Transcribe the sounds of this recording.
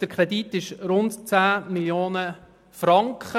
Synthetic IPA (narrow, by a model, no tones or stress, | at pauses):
d̥əɾkʰɾɛditɪʃɾʊntt͡sæːmiljoːnə | fɾɑŋkχə